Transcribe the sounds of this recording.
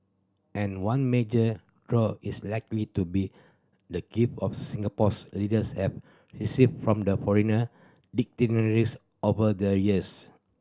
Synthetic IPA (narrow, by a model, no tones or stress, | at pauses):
ʔɛ̃nwãnmed͡ʒə | dɹɔislaɪklitubi | dəɡ̥ifɔfsĩŋɡəpɔslidəshɛv | ɹisiffɹɔ̃mdəfɔɹinə | dik̚tinəɹis | ovədəɹiəs